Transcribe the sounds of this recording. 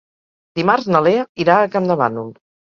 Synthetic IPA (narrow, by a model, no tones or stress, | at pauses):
d̪̥imarznəleəiɾaːkamd̪əβa̰nulˠ